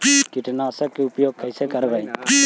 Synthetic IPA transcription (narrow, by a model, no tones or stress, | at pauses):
kɪʈnaːsəkːeʊpjoːɡ̚kəjsekəɾʋaːĩ